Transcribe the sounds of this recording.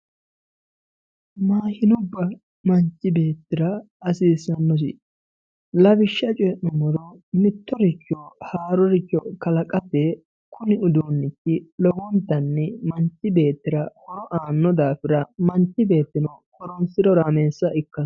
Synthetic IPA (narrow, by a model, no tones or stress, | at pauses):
maːhɪnʊbːɐ | mɐnt͡ʃːɪbe̞ːt̪ːɪɾɐ | ɐsiːsɐnːɔs̬ɪ̰ | lɐbɪʃːɐt͡ʃʼɔnːɔmɔɾɔmɪt̪ːɔɾɪt͡ʃːɔhaːɾɔɾɪt͡ʃːɔkɐlɐkʼɐpːɛ | kʊnɪʊd̪onːɪtːɪlɔɡɔnt̪ːɐnːɛmɐnt͡ʃːɪbe̞ːt̪ːɪɾɐhɔɾɔʔaːnːɔd̪aːfɪɾɐmɐnt͡ʃːɪbe̞ːt̪ːɪnɔkɔɾɔnsɪdɔɾaːmeːsːɐʔɪkːɐn